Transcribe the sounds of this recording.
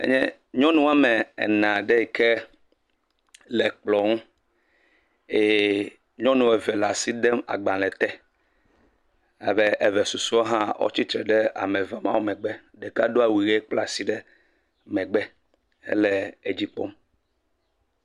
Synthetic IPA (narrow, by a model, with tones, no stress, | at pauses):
ḛ˦ɲɛ̃˦ | ɲɔ̃˦nũ˦a˦mɛ˨ɛ̰˨nã˨ɖɛ˦i˨kʰe˦ | lɛ˨k͡plɔ˨ŋu˦ | e˨ | ɲɔ̃˦nũ˨ɛ˨vɛ˨la˨si˦d̪ɛ˦ma̰˨ɡ͡bã˨lɛ˨t̪ɛ˦ | a̰˨be˦ʔe˨vɛ˨su˨su˦o˦ɦã˦ɔ̰˦t͡ɕi˦t̪ɾɛ˨ɖɛ˦a̰˨mɛ˨va˨mã˦wo˦mɛ̃˨ɡ͡bɛ˦ | ɖɛ˨ka˦do˦a˨wi˨ɣe˦k͡pla˦si˦ɖɛ˦ | mɛ̃˨ɡ͡bɛ˦ | ḛ˦lɛ˨e˨d͡ʑi˨po̰˦m